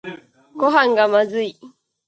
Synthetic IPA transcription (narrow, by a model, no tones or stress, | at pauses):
ɡoɦãŋɡamazɨi